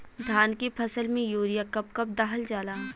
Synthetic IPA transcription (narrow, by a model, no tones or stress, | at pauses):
d̪ʱaːnkepʰɐsəlmẽjoːɾijakɐpkɐp̚d̪aːɦəld͡ʒaːlaː